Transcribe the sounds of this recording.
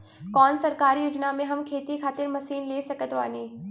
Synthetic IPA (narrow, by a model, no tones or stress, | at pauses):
kɔːnsɐɾkaːɾijuːd͡ʒnamẽɦɐmkʰeːt̪ikʰaːt̪ɪɾmɐsiːnleːsɐkət̪ʋa̰ːniː